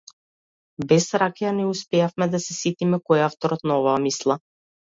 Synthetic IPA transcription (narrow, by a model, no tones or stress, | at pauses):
bɛsɾakjanɛuspɛjafmɛd̪asɛsit̪imɛkɔjaft̪ɔɾɔt̪naɔvaːmislˠa